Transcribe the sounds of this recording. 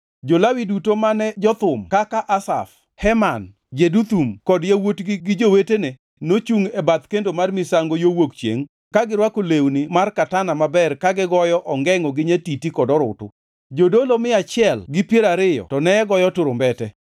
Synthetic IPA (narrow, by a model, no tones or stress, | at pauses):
d͡ʒolawidutomanɛd͡ʒɔt̪ʊmkakaʔasa̰f | hɛman | d͡ʒedut̪umkɔdjawotɡɪɡɪd͡ʒowetene | not͡ʃuŋɛbat̪kendomarmɪsaŋɡojowokt͡ʃjḛŋ | kaɡɪɾwakolewnɪmarkatanamabɛrkaɡɪɡɔjɔʔɔŋɡɛŋɔɡɪɲetitikɔdɔɾʊ̰tʊ̰ | d͡ʒodolomɪat͡ʃɪɛlɡɪpjeɾaɾɪjɔ̰tɔnɛɛɡɔjɔtʊɾʊmbɛtɛ